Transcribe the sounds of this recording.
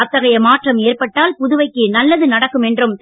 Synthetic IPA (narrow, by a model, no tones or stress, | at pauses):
ɐt̪ːɐɣɐjɐmaːʈrɐmeːrpɐʈːaːlpʊðʊʋɐɪkːɯnɐlːɐðɯnɐɽɐkːɯmɛndrɯm